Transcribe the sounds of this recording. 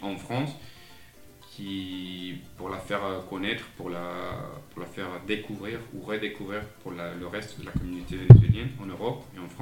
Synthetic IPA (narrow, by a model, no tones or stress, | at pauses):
ɑ̃fχɑ̃s | kʲʰi | puʁlafɛʁkɔnɛt̪χpuʁlapuʁlafɛʁd̪ekuvʁiʁṵʁəd̪ekuvʁiʁpuʁlaləʁɛst̪d̪əlakɔmynot̪evenezɥeljɛnɑ̃nøʁɔpeɑ̃fχɑ̃